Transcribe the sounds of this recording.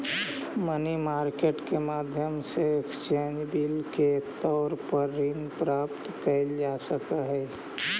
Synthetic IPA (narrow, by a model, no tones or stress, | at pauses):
mənimaːɾkeːʈkemaːd̪ʱjəmseekst͡ʃeːnd͡ʒbilket̪ɔːɾpəɾːinpɾaːpt̪kəɪld͡ʒasəkəɦɛ